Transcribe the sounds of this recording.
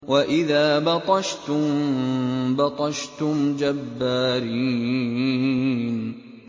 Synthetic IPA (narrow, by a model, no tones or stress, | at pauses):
wʔaʔɪðaːbɑt̪ˤɑʃt̪ʊm | bɑt̪ˤɑʃt̪ʊmd͡ʒabːaːɾiː | n